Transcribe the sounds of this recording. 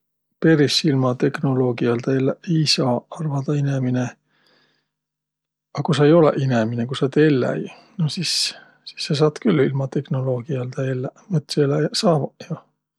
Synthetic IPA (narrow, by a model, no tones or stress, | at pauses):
pe̞ɾisilmɑt̪e̞kno̞lo̞ːɡ̥iɑld̪̥elːesɑɑrvɑd̪̥ɑinemine | ɑkusɑejo̞lḛʔineminekusɑt̪elːæ̰j | nosis | si̥sːɑs̬ɑːt̪kylːilmɑt̪e̞hno̞lo̞ːɡ̥iɑld̪̥ɑelːæmɨt̪ːselɑsɑːvɑjɑ